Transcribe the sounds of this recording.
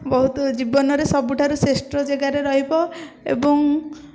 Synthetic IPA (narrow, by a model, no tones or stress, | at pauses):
bɔɦut̪ɔd͡ʒibɔnɔɾesɔbuʈʰaɾusesʈɾɔd͡ʒeɡaɾeɾɔɦibɔ | ḛbɔŋ